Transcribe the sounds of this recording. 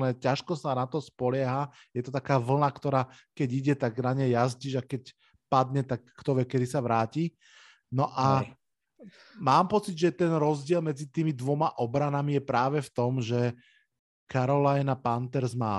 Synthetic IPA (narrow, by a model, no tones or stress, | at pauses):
nɛːcaʃkɔsanat̪ɔspɔlɪaɦa | jɛt̪ɔt̪akaːʋl̩nakt̪ɔɾaː | kɛɟiɟɛt̪aɡnaɲɛjazɟiːʒakɛc | pad̪ɲɛt̪ak̚ːt̪ɔʋɛkːɛd̪isaʋɾaːci | nɔʔa | maːmpɔt͡sid̪ʒɛt̪ɛnɾɔzɟɪɛlmɛd͡zit̪iːmid̪ʋɔmaʔɔbɾanamijɛpɾaːʋɛft̪ɔmʒɛ | kaɾɔlajnapant̪ɛɾzmaː